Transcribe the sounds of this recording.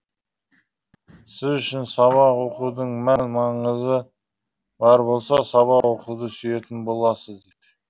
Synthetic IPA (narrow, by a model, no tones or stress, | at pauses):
sɪzʏʃɪnsɑβɑqwoquwd̪əɴmænmɑɴəzə | bɑɾbo̞lˠsɑsɑβɑqwo̞quwd̪əsyje̞t̪ɪnbo̞lˠɑsəzd̪et̪